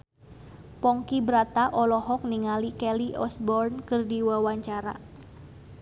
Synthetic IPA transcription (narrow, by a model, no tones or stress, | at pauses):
pɔŋkibɾat̪aʔɔlɔɦɔk̚niŋalikɛliʔɔsbɔrnkɨrdiwawaɲt͡ʃaɾa̰